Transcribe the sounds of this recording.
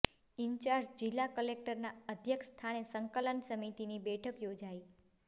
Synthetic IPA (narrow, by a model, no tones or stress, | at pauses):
iɲt͡ʃaɾd͡ʒd͡ʒilːakəlek̚ʈəɾnaəd̪ʱjəkst̪ʰanesəŋkələnsəmit̪inibɛʈʰəkjod͡ʒai